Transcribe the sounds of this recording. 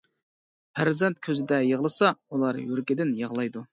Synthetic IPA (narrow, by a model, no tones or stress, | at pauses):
pʰæɾzɛnt̪̚kʲʰøzɪd̪ɛjəʁlˠɨsɑulˠɑɾjøɾkʲɪd̪ɪnjəʁlˠɑjd̪u